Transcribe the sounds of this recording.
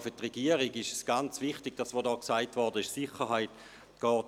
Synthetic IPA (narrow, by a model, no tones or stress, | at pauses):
fʏtʁeɡ̥iəʁiɡɪʃəsɡ̥ant͡svɪχtɪɡ̥̚d̥asʋodɔːksaɪtvɔɐdəɪʃsɪχəʁɦaɪt | ɡ̥ɔːt